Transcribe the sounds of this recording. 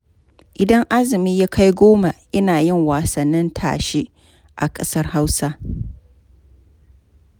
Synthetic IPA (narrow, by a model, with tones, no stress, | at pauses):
ʔɪ˨dɐ˦ŋʔa˦zɪ˨miː˦jaː˦kʰa˦jɡʷoː˦ma˨ʔɪ˦naː˨jɪ˦˨ŋwaː˨sɐ˨nːɪ˦ntʰa̰ː˨ʃe˦ | ʔa˨kʼɐ˦sɐ˦rha˦wsa˦